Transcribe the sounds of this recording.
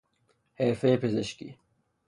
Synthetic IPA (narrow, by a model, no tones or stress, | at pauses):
heːɾfeːpezɐɕkḭ